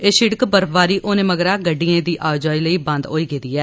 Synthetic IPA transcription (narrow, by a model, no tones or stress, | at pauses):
eːʃɪɽkbəɾbaːɾiːʔoːnẽːməɡɾaːɡəɖːiẽːd̪iːʔaːd͡ʒaːiːləiːbə̃nd̪ɦoːiːɡeːd̪iːɛː